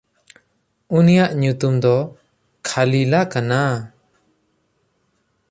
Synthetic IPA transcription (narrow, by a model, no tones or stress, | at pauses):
unijaʔɲut̪umd̪ɔ | kʰalilakana